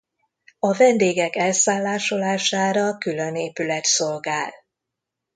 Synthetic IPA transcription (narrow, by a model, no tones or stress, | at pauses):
ɒvɛnd̪eːɡɛkɛlsaːlːaːʃolaːʃaːɾɒkyløneːpylɛt̪so̞lɡaːl